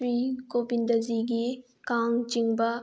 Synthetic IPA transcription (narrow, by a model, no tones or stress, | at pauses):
ɾikobind̪ɐziɡi | kaŋt͡ʃiŋbɐ